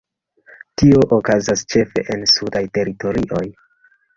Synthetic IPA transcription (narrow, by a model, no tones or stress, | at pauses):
tio̞ʔokazast͡ʃe̞fe̞̰ʔensudajte̞ɾito̞ɾiʔo̞j